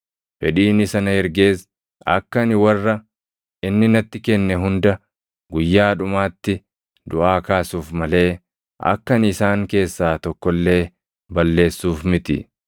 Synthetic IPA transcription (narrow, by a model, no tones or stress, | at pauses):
fɛᶑiːnɪsɐnɐhɛɾɡe̞ːs | ɐ̰kːɐnɪwɐrːɐ | ɪnːɪnɐt̪ːɪkɛnːɛɦʊnd̪ɐ | ɡʊjːaːᶑʊmaːt̪ːɪ | d̪ʊʔaːkaːsuːfmɐle̞ː | ɐ̰kːɐnɪsaːŋke̞ːsːaːt̪ɔkːɔlːe̞ː | bɐlːe̞ːsːuːfmɪt̪ɪ̰